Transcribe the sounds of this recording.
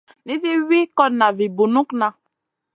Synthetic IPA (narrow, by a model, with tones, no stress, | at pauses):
ni˦si˦wi˦kɔ˦tna˨vi˨bu˨nu˦kna˦